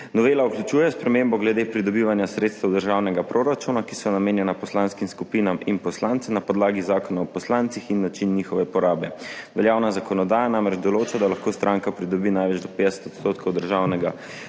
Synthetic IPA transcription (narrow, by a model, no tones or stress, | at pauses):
nɔʋeːlauklut͡ʃuːjɛspɾɛmembɔɡlɛd̪epɾid̪ɔbiʋanjasɾeːt̪st̪ɛwd̪əɾʒawnɛɡapɾoːɾat͡ʃuːnakisɔnameːnjɛnapɔslaːnskimskupinaminpɔslaːnt̪sɛmnapɔd̪laːɡizaːkɔnaɔpɔslaːnt̪sixinːat͡ʃinːixɔʋɛpɔɾaːbɛʋɛljaːwnazakɔnɔd̪aːjanamɾɛd͡ʒd̪ɔloːt͡ʃad̪alaxkost̪ɾaŋkapɾid̪ɔbiːnajʋɛd͡ʒd̪ɔpeːd̪ɛsɛ̥t̪ɔt̪st̪oːt̪kʰowd̪əɾʒawnɛɡa